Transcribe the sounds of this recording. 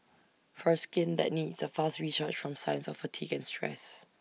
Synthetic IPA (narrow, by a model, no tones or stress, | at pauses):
fɔskɪ̃nd̪ɛ̰t̚nidsəfastɹisat͡ʃfɹɔ̃msãɪə̃nsɔfətʰiɡɛ̃nstʰɹɛ̰s